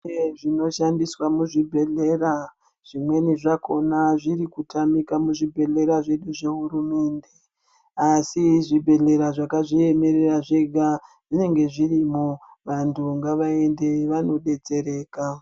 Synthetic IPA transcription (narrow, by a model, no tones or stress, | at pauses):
eʐino̞ʃandiswamuʐibʱe̞ɮe̞ɾa | ʐ̥imwe̞niʐakʰo̞naʐiɾikutamikamuʐibʱe̞ɮe̞ɾaʐe̞ɗuʐe̞ɦuɾume̞ːnde̞ | asiʐibʱe̞ɮe̞ɾaʐakaʐie̞me̞ɾeraʐe̞ɡʱa | ʐ̥ine̞ŋɡe̞ʐirimu | ʋantʰuŋɡaʋae̞ndeʋano̞ɗe̞t͡se̞ɾe̞ːka